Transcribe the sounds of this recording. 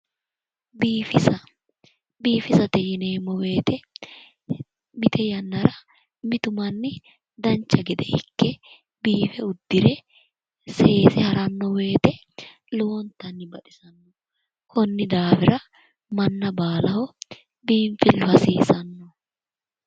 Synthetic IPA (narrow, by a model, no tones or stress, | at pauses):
biːfɪsɐ | biːfɪsɐt̪ɛjɪneːmːɔweːt̪ɛ | mɪt̪ʰɛjɐnːɐɾɐ | mɪt̪ʊmɐnːɪ | d̪ɐnt͡ʃːɐɡɛd̪ɛhɪ̰kːɛ | biːfɛʊd̪ːɪɾɛ | seeːsɛhɐɾɐnːɔwe̞ːt̪ɛ | lɔwɔnt̪ɐnːɪbɐᶑɪsɐnːɔ | kʰɔnːɪd̪aːfɪɾɐ | mɐnːɐbaːlɐhɔ | biːɱfɪlːʊhɐsiːsɐnːɔ